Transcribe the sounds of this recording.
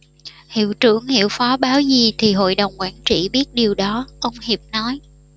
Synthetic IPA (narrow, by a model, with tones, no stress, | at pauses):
hḭ˧˨wt͡ɕɨ̰˧˩əŋhḭ˧˨əwfɔ˨˦ɓaː˨˦wzi˨˩t̪ʰi˨˩ɦo̰˧˨jɗə˨˩wŋ͡mkwaː˧˩nt͡ɕḭ˧˩˨ɓi˦˥ət̚ɗi˨˩əwɗɔ˨˦ʔə˧wŋ͡mhi˨˩p̚nɔ˨˦j